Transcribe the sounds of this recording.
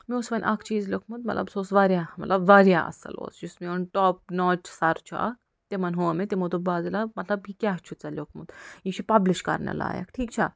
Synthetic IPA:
mioːsʋɐnʲʔɐkʰt͡ʃiːzlʲokʰmut̪mɐt̪lɐ̰bsoːsʋaːɾʲjaːmɐt̪lɐbʋaːɾjaːʔɐ̰sɐ̰lo̰ːsd͡ʒusmeonʈɔːp̚noːʈsɐɾt͡ʃʰua̰ | t̪emɐnɦoːmet̪emut̪ubaːzilamɐt̪lɐbjikʲaɦt͡ʃʰut͡sɐlʲokʰmṵd̪jit͡ʃʰipɐbliʃkɐ̰ɾnɐ̰la̰ːjɐ̰kʈʰiːk̚t͡ʃʰa

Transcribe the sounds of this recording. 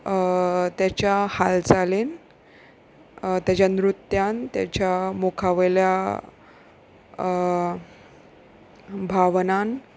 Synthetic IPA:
t̪jat͡ɕjahald͡zalen | t̪jat͡ɕjanɾut̪jant̪ja̰t͡ɕjamokʰaʋelja | bʱaʋnan

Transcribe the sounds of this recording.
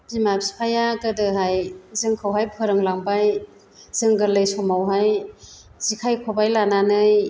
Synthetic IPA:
zimabspʰajaɡɯdɯɦajzɯŋkʰɯwɦajpʰɯɾɯŋlaŋbaj | z̥ɯŋɡɯlɯjsɔmawɦaj | z̥ikʰajkʰɔbajlananɯj

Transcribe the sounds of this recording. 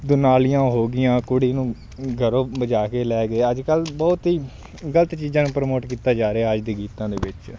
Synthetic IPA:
d̪ʊnaːlɪjãːɦoːɡɪjãːkʊɽiːnũː | ɡʱəɾõːbəd͡ʒaːkeːlɛːɡeːəd͡ʒkəlbɔːt̪ɦiː | ɡələt̪t͡ʃiːzãːnũːpɾəmoːʈkiːt̪aːd͡ʒaːɾeɛːəd͡ʒd̪eːɡiːt̪ãːd̪eːʋɪt͡ʃ

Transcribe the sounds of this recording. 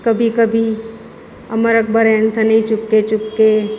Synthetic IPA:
kɐbʱikəbʱi | ɐ̰məɾək̚bəɾɛːnt̪ʰanɐɦĩt͡ʃʊkːet͡ʃʊkːe

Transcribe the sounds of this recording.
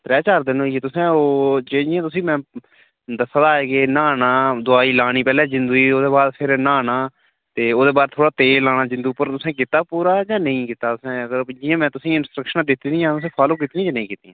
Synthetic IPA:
t̪ɾɛːt͡ʃaːɾd̪ɪnõːjeːt̪ʊsẽːoːd͡ʒeːd͡ʒɪãːt̪ʊsĩːmɛ̃ː | d̪əsːd̪aːeːkɪnaːnaːd̪ʊaːiːlaːɽiːpɛːlɛ̃ːd͡ʒɪnd̪uːiːoːd̪eːbaːd̪pʰɪɾnaːnaː | t̪eːoːd̪eːbaːd̪̚t̪ʰoːɽaːt̪eːlːaːñaːd͡ʒɪ̃nd̪uːpəɾt̪ʊsẽːkɪt̪ːaːpuːɾaːd͡ʒãːnəĩːkɪt̪aːt̪ʊsẽːəɡəɾd͡ʒɪjãːmɛ̃ːt̪ʊsĩːɪnsʈɾəkʃənaːd̪ɪt̪ːiːnĩãːt̪ʊsẽːpʰaːlõːk̬it̪ijãːd͡ʒaːnəĩːkɪːt̪ĩãː

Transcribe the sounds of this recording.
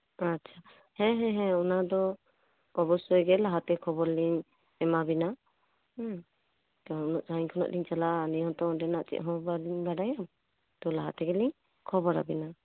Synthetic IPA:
atːt͡ʃʰa | hɛ̃ɦɛ̃ɦɛ̃ɔnad̪ɔ | ɔbɔsɔjɡɛlaɦat̪ɛkʰɔbɔɾliɲ | ɛmabina | kanɔnɔʔt͡ʃaɲkʰɔnɔ̰ʔliɲt͡ʃalaːniɔ̃t̪ɔɔdɛnaʔt͡ʃḭʔ̪̚ɦɔ̃baɾiɲbaɖajam | t̪ɔlaɦat̪ɛɡɛliɲ | kʰɔbɔɾa̰bina

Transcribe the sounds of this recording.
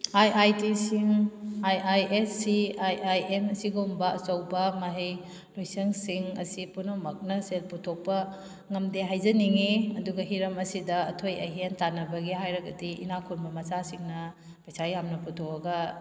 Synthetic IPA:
ajʔajtisiŋajʔajʔesːiajajemɐsiɡɐumbɐɐsɐwbɐmaɦej | lojsɐŋsiŋɐsipunomɐk̚nɐsel̚putʰok̚pɐ | ŋɐmdeɦajzɐniŋiɐduɡɐɦiɾɐmɐsidɐːtʰojɐ̰ɦentanɐbɐɡiɦajɾɐɡɐdiḭnakʰunbɐmɐsasiŋnɐ | pɐjsajjamnɐputʰoɐɡɐ

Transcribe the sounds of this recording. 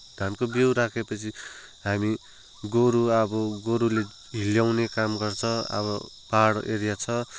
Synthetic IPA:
d̪̥ʱankobewɾakʰepʌt͡sʰi | ɦami | ɡoɾuʌbʌɡoɾule | ɦiljawnekamɡʌrt͡sʰʌʌ̰bʌ | paɽʔeɾijat͡sʰʌ

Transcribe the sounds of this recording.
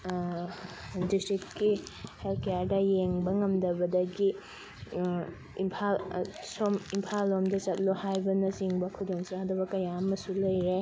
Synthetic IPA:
distɾit̚kihelkejaɾdɐjeŋbɐŋɐmdɐbɐdɐɡi | impʰalsomimpʰalːomdɐt͡ʃɐt̚lohajbɐnɐsiŋbɐkʰudoŋsɐadɐbɐkɐjamɐsulɐjɾe

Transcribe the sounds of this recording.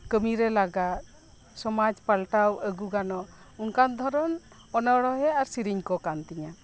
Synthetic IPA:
kəmiɾɛlaɡat̪̚ | sɔmad͡ʒpalʈawəɡuɡanɔ | unkand̪ʱɔɾɔn | ɔnəɽɔɦɛaɾsiɾiɲkɔkant̪iɲa

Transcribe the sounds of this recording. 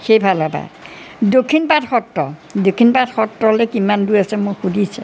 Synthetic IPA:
xejbʱalapa̰dokʰːinpatxɔtːɔdokʰːinpadxɔtɹɔlekimandujasɛmʊxudisɛ̰

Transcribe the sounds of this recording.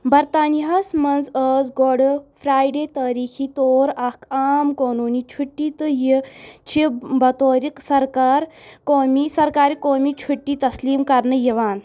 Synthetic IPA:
bɐɾt̪aːniɦɐsmɐnzəːzɡoɽɨfʰɾaːjɖeːt̪ɐːɾiːkʰiːt̪oːɾɐkʰaːmkoːnuːnit͡ʃʰuʈːiːt̪ɨjit͡ʃʰibɐt̪oːɾiksɐɾkaːɾkoːmisɐɾkaːɾikoːmit͡ʃʰuʈːit̪ɐsliːmkɐɾnɨjiʋaːn

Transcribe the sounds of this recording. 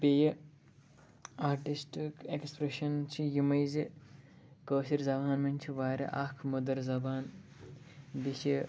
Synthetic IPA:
bejɐ | aːɾʈisʈikekspɾeʃɐnt͡ʃʰijimɐjzi | kəːʃiɾzɐbaːnmɐnʲt͡ʃʰiʋaːɾɐ̰ʔaːkʰmɐd̪ɐɾzɐbaːn | d̪it͡ʃi

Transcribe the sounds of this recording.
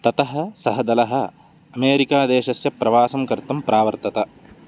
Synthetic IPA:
t̪ɐt̪ɐɦɐ̆sɐɦɐd̪ɐlɐɦɐ̆ | ɐmeːɾikaːd̪eːʃɐsjɐpɾɐʋaːsɐmkɐɾt̪ɐmpɾʔaːʋɐɾt̪ɐt̪ɐ

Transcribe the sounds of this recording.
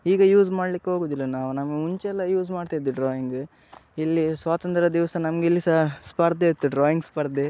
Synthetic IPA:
iːɡɐjuːzmaːɽlikːeɦo̞ːɡuːd̪ilːɐnaːʋunɐmɐɡeuɲt͡ʃɛlːɐjuːzmaːɖt̪iid̪uɖɾaːjiŋɡ | ilːisʋaːt̪ɐnt̪ɾɐd̪iʋsɐnɐmɡeilːisɐspɐɾd̪eːt̪ːuɖɾaːjiŋɡspɐɾd̪e

